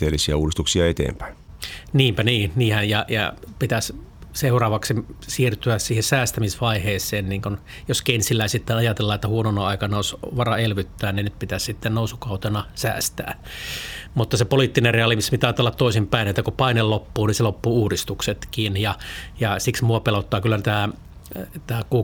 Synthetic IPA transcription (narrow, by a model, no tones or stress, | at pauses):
t̪eːlːisiæ̰uːdist̪uksiɑet̪ḛːmpæ̥in | niːmpæniːniːhæjjɑjɑ̰pit̪æsseurɑːʋɑksisirt̪yæssiːhesæːst̪æmisʋɑiheːsˑeːnniːŋkun | joskensilːæisit̪ːenɑjɑt̪elːɑːet̪ːæhuononoɑikɑnɑosʋɑrɑelʋyt̪ːæːnninyt̪̚pit̪æssit̪ːennousukɑut̪enɑsæ̰ːst̪æ̰ː | mut̪ːɑsepoliˑt̪ːinereɑlimispit̪æɑːt̪elːɑt̪t̪oˑisimpæˑinet̪ːækupɑinellopːuːniselopːuːuːdist̪ukset̪kiːnjɑjɑsiksmuɑpelot̪ːɑːkylːæt̪æː | t̪æːkuː